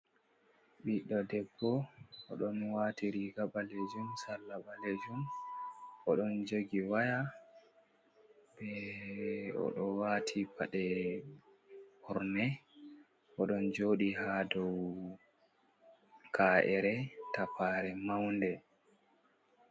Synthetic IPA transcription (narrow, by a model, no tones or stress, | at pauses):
ɓiɗɔdɛbːɔɔ̰ɗɔnwatiɾiɡaɓaled͡ʒumsalːaɓaled͡ʒum | ʔɔɗɔnd͡ʒoɡiwaja | bɛ | ɔ̰ɗɔwaːtʰipaɗɛ | hɔɾnɛ | ʔɔɗɔnd͡ʒoːɗihadɔw | kʰaːʔɛɾɛtapaɾɛmawndɛ